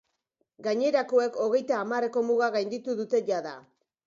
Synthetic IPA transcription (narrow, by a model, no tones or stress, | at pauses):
ɡaɲe̞ɾako̞e̞ko̞ɣ̞e̞jt̪aːmare̞ko̞muɣaɣajnd̪it̪uðut̪e̞ʝaða